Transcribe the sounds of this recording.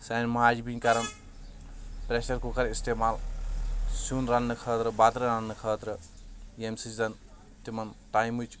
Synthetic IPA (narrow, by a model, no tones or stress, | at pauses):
sɐnmɐɦaːd͡ʒbiŋkaɾɐn | pɾeʃɐɾkukɐɾisteːmaːl | sunɾɐnːɨkʰəːt̪ɾɨbat̪ɾɨɾɐnːɨkʰəːt̪ɾɨ | emsizɐn | t̪imɐnt̪aːjmut͡ʃ